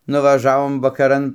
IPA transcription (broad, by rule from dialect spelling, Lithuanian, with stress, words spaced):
nʊʋɐˈʒɑːʋoːm ʋɐkɐˈrɐn